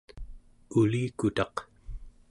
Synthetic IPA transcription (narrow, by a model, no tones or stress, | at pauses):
uliːkut̪ɑq